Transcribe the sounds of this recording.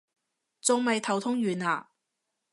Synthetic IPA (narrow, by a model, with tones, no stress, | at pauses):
t͡sʊ˨ŋmɐ˨jt̪ʰɐ˨˩wt̪ʰʊ˥ŋɥyː˨naː˨˩